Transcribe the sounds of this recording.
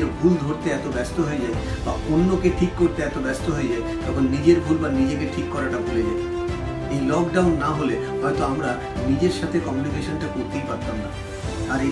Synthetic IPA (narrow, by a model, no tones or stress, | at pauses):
ɾbʱuld̪ʱoɾt̪eɛt̪obɛst̪oɦoed͡ʑaeba̰ʔonːokeʈʰikːoɾt̪eɛt̪obɛst̪oɦoed͡ʑaet̪ɔkʰonːid͡ʑeɾbʱulbanid͡ʑekeʈʰikːɔɾaʈabʱuled͡ʑae | ejlɔkɖawnːaɦole | ɦɔet̪oamɾa | nid͡ʑeɾʃat̪ʰekɔmjunikeʃonʈakoɾt̪ejpaɾt̪ːamna | aɾe